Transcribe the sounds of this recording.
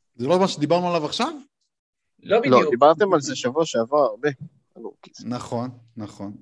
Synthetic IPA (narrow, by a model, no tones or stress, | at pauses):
zelotmaʃed̪ibaʁnualavaχʃav | lolod̪ibaʁt̪emalzeʃavuaʃeavaʁaʁbe̞ | alukinaχo̞nːaχon